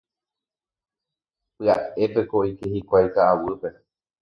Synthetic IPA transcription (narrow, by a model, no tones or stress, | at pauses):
pɨa̰epe̞koikehikʷajkaʔːwɨpe̞